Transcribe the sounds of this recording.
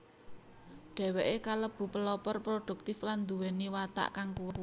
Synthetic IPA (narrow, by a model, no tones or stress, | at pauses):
ɖ̥ɛ̤weʔekaləb̥ṳpəlɔpɔrpɾoɖ̥ṳk̚t̪ɪfland̪uwɛniwat̪a̰ʔkaŋkuw